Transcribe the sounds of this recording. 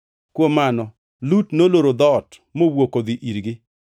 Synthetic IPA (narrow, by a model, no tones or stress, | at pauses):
kwomanɔ | lutnoloɾod̪ɔt | mowokod̪iʔiɾɡɪ